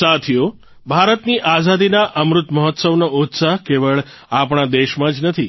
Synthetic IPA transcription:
sat̪ʰijo | bʱaɾət̪niʔazad̪inaʔəmɾʊt̪məɦɔt̪səʋnoot̪saɦkeʋəɭ | apɳ̃ad̪eʃmãd͡ʒnət̪ʰi

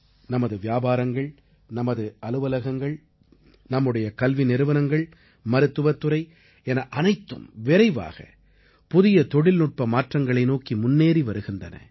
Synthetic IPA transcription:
nɐmɐðɯʋɪjaːbaːɾɐŋɡɐɭ | nɐmɐðɯɐlɯʋɐlɐɣɐŋɡɐɭ | nɐmːɯɽɐjɐkɐlʋinɪɾɯʋɐnɐŋɡɐɭ | mɐɾɯt̪ːɯʋɐt̪ːɯɾɐɪ | ɛnɐʔɐnɐɪt̪ːɯ̰mʋɪɾɐɪʋa̰ːɣɐ̰ | pʊðɪjɐt̪ɔɽɪlnʊʈ̚pɐmaːʈrɐŋɡɐɭɐɪnoːkimʊnːeːɾiʋɐɾɯɣɪndɐnɐ̰

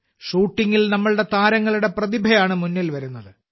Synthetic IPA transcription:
ʂuːʈːiŋɡilnɐmːɐɭɽe̞t̪aːɾɐŋːɐɭuɽe̞prɐðibʱɐjaːɳɨmunːilʋɐɾunːɐðɨ

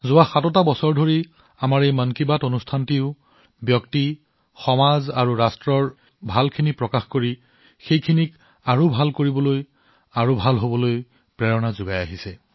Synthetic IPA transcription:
zʊwaxatɔtabɔsɔɹdʱoɹi | amaɹejmənkibatonustʰantiʊ | bjɔkti | xɔmazaɹuɹastɹɔɹ | bʱalkʰinipɹɔkaxkoɹi | xejkʰinik | aɹobʱalkoɹibɔloj | aɹobʱalɦobɔloj | pɹɛɹɔnazʊɡajaɦisɛ

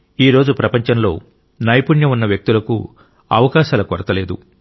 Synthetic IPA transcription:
iːɾo̞ːd͡ʒupɾɐpɐɲt͡ʃɐmlo̞̰ː | nɐjpuɳjɐunːɐʋjɐk̚t̪ulɐkṵ | ɐ̰ʋɐkaːʃaːlɐkɔɾɐt̪ɐle̞ːd̪u

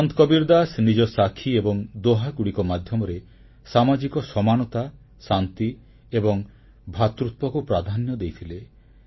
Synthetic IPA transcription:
ɔnt̪kɔbiɾd̪asnid͡ʒɔsakʰiebɔŋd̪oɦakuɽikɔmad̪ʱjɔmɔɾe | samad͡ʒikɔsɔmanɔt̪a | sant̪i | ebɔŋ | bʱat̪ɾut̪̚pɔkupɾad̪ʱanjɔd̪ejt̪ʰile

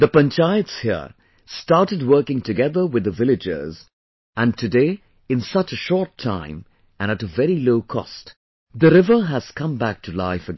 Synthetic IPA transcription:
ðəpə̃nt͡ʃaɪɨtshḭɹ | stɑɹtɨd̚wɜ˞kɪ̃ŋtɨɡɛðə˞wɨðəvɪlɨd͡ʒɪ̰z | ɨ̃ntʰɨdeɪ | ɨ̃nsʌt͡ʃɨʃɔɹtʰã̰ɪ̃m | ɨ̃ñɨɾəvɛɹiloʊkʰɔ̰st | ðɨɾɪvə˞ɨz̥kʰʌ̃mbæk̚tʰɨla̰ɪfɨ

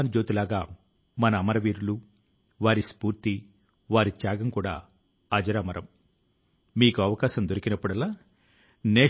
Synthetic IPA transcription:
nid͡ʒo̞ːt̪ilaːɡaː | mɐnɐːmɐɾɐʋiːɾulu | ʋaːɾispuːɾt̪i | ʋaːɾit͡ʃjaːɡɐmkuːɽa̰ː | ɐd͡ʒɐɾaːmɐɾɐm | miːkuɐʋɐkaːʃɐmd̪oɾikinɐpːuɽɐlaː | nɛː

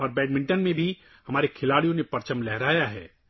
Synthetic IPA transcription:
ɔːɾbɛːɖmɪ̃ɳʈənmẽbʱi | hɐmaːɾekʰɪlaːɽijõnepɐɾt͡ʃəmlɛɦɾaːjaɦɛː

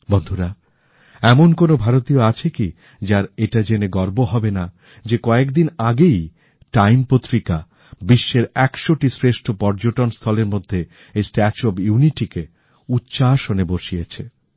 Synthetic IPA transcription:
bond̪ʱuɾa | ɛmonkonobʱaɾot̪ioat͡ɕʰeki | d͡ʑaɾeʈad͡ʑeneɡɔɾboɦɔbena | d͡ʑekɔekd̪inaɡej | ʈajmpot̪ːɾika | biʃːeɾɛkʃoʈisɾeʃʈʰopɔɾd͡ʑoʈonst̪ʰɔleɾmod̪ʱːe | ejsʈɛt͡ɕobjuniʈike | ut̪ːɕaaʃoneboʃijet͡ɕʰe

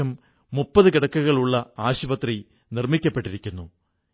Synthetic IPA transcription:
ɐmː | upːɐðɨkiɽɐkːɐɣɐɭuɭːɐaːɕubɐt̪ri | nirmikʲːɐpːe̞ʈːiɾikʲːunːu

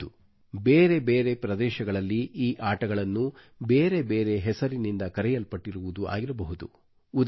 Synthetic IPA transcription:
u | beːɾe̞beːɾe̞pɾɐd̪ɛːʃɐɡɐɭɐlːiʔiːʔaːʈɐɡɐɭɐnːu | beːɾe̞be̞ːɾe̞ɦɛsɐɾinind̪ɐkɐɾɛjɐlpɐʈːiɾuʋud̪ua̰ːɡiɾɐbɐɦud̪ṵː | d̪

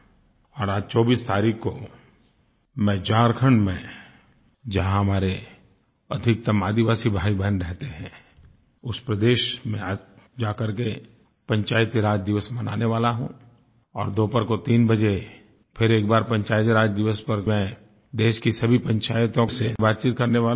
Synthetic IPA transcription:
ɔːɾaːd͡ʒt͡ʃɔːbiːst̪aːɾiːkko | mɛ̃t͡ʃaːɾkʰə̃ɳɖmẽ | d͡ʒɐɦãɦɐmaːɾe | ɐd̪ʱɪk̚t̪ɐmaːd̪iʋaːsibʱaːibɛnɾɛɦt̪eɦɛ̃ː | ʊspɾəd̪eːʃmẽa | d͡ʒaːkɐɾke | pɐ̃ɲt͡ʃaːjət̪iɾaːd͡ʒd̪ɪʋəsmɐnaːneʋaːlaɦũ | ɔːɾd̪oːpəɾkot̪iːnbɐd͡ʒe | pʰɪɾeːkbaːɾpɐ̃ɲt͡ʃaːjt̪iɾaːd͡ʒd̪ɪʋəspɐɾmɛ̃ | d̪eːʃkisɐbʱipɐ̃ɲt͡ʃaːjt̪õsebaːt̪̚t͡ʃiːt̪̚kɐɾneʋaːla

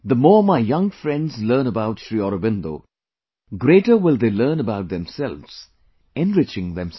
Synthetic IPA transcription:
ðəmɔːɹmaɪjʌ̃ŋfɹɛ̃ndzlɜːnəbaʊtʃɹiɔɾobɪ̃nd̪o̰ː | ɡɾeːʈəwɪlˠd̪eːlɜːnəbaʊt̚ðɛ̃msɛlʋz̥ | ɛ̃nɹɪt͡ʃɪ̃ŋðɛ̃ms

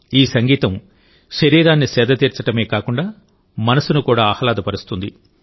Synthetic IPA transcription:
iːsɐŋɡiːt̪ɐm | ʃɐɾiːɾaːnːisɛːd̪ɐt̪iːɾt͡ʃɐʈɐme̞ːkaːkuɳɖaː | mɐnɐsunukuːɽaːɐhɐlaːd̪ɐpɐɾust̪und̪i

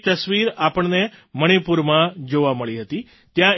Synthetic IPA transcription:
t̪əsʋiɾapəɳneməɽ̃ipuɾmãd͡ʒoʋaməɭiɦət̪i | t̪jã

